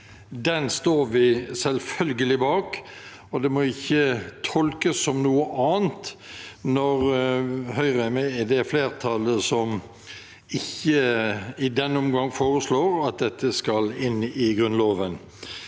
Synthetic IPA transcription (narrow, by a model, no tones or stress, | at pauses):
d̪ɛnst̪oːɾʋɪsɛlfœlɡəlɪbɑːk | ɔd̪ɛmɔʊɪçːət̪ʰɔlkəsːɔmnuːəʔɑːənt̪nɔɾɦœʏʁəæmɛɛd̪ɛfleːɾt̪ʰɑləsɔm | ɪçːəɪd̪ɛnːɔmɡɑŋːfoːɾəsloːɾɑt̪̚d̪ɛt̪ːəskɑlɪnːɪɡʁʉnloːʋən